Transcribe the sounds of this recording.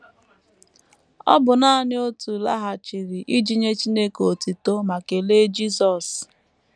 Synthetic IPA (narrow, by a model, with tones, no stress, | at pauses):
ɔ̰˦bʊ˨na˦nɪ˦o˦tu˨la̰˦ɦa˨t͡ʃi˨ɾi˨ʔi˦d͡ʒi˦ɲe˦t͡ʃi˦ne˦ko˨ti˨to˦ma˨ke˨le˦d͡ʒi˦sɔ˨s